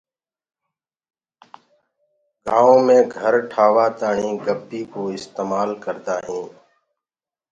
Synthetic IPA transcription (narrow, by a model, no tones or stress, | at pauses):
ɡãːõːmẽːɡʱəɾʈʰaːʋaːt̪aːɳĩːɡəbːiːkoːɪst̪eːmaːlkəɾd̪aːɦĩː